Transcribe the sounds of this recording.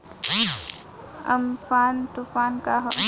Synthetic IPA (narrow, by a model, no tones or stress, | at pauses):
əmfaːnt̪ufaːnkaɦo